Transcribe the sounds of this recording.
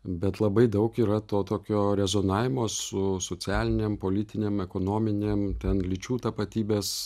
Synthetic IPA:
bʲɛt̪lˠɐbɐɪd̪ɐʊkiːɾɐt̪oːt̪oːkʲoːɾʲɛzoːnɑːʋʲɪmoːsʊsoːt͡sʲæːlʲɪnʲeːmpoːlʲɪt̪ʲɪnʲeːmɛkoːnoːmʲɪnʲeːmt̪ʲɛnlʲɪt͡ʃʲuːt̪ɐpɐt̪ʲiːbʲeːs

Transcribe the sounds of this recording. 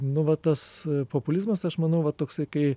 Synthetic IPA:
nʊʋɐt̪ɐspoːpʊlʲɪzmɐsɐʃmɐnɐʊʋɐtt̪oːksɐɪkɐɪ

